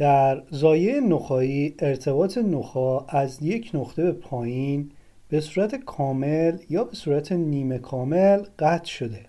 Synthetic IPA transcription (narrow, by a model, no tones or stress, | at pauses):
d̪̥æɾzɒːjejenoxɒːiːeɾt̪ʰe̞bɒːt̪ʰe̞noxɒːæzje̞cʰnoxt̪ʰe̞be̞pʰɒːjiːn | b̥e̞suːɾæt̪ʰekʰɒːmeljɒːbe̞suːɾæt̪ʰe̞niːme̞kʰɒːme̞lɢæt̪ʰʃo̞d̪e